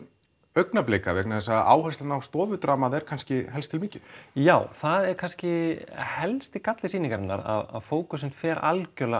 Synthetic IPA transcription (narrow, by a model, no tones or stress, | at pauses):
œɥknapleːjkavɛknaθɛsːaa̰ːwhast̪anawst̪ɔːvʏt̪ɾaːmaðɛɾ̥kʰanscɪɦɛlst̪ʰɪlmiːcɪð̥jaːwθaðɛɾkʰanscɪhɛlst̪ɪkat̪lɪsiːniŋkaɾɪnːa̰ɾa̰ðaðfoːwkʏs̬ɛmt̪fɛːɾa̰lcœla